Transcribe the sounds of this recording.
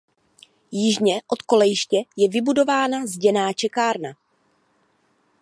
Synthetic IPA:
jɪʒɲɛʔo̞t̪ko̞lɛjɪʃcɛjɛvɪbudo̞vaːnazɟɛnaːt͡ʃɛkaːɾna

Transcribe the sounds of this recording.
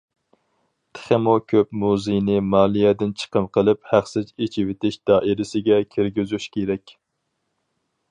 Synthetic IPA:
t̪ʰə̥χemokʲʰøpmuzejnɪmɑːlˠijɛd̪ɪnt͡ʃʰə̥qəmqʰəlˠɨphæχsɪt͡ʃet͡ʃʰivɪt̪ɪʃd̪ɑːʔɪɾɪsɪɡʲɛkʲʰeɾɡʲyzyʃkʲeɾɛkʲ

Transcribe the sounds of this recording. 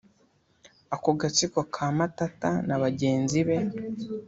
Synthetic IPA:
akoɡat͡sikokʰaːmatata̰naβaɟe̞ːnziβe̞

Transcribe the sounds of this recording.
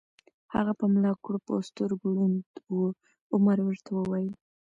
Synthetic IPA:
ha̰ɣapəmlɑkɽopo̰st̪ʊɾɡɽund̪wə | ʊmaɾwəɾt̪ʰawəwɑjəl

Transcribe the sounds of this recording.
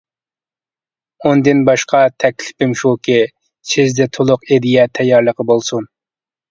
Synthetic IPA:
ond̪ɪnbɑʃqʰɑt̪ʰɛkʲlɪ̥pɪmʃukʲɪ | sʰɪzd̪ɛt̪ʰolˠʊqed̪ijɛt̪ʰɛjːɑɾlˠəqəbolˠsun

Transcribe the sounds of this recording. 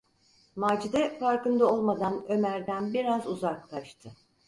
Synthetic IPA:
maːd͡ʒid̪ɛfaɾkɯnd̪ao̞lˠmad̪anø̞mæɾd̪ænbiɾazuzaklˠaʃt̪ʰɯ

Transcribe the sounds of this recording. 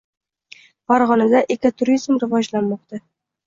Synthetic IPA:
faɾʁɒnad̪aʔekʲat̪ʰʊɾizmɾɪvɒd͡ʒlanmɒqt̪ʰa

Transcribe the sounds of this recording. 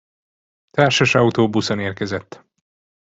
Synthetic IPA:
t̪aːrʃaʃɒut̪oːbusoneːrkɛzɛt̪ː

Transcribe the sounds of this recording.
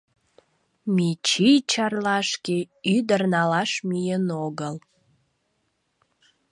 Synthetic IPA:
mit͡ɕijt͡ɕɑrlɑʃkeyd̪ərnɑlɑʃmyjənoɣəl

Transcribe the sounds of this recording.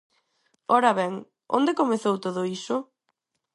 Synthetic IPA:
ɔɾɐβɛŋ | o̰nd̪ekomeθowt̪oðʊisʊ

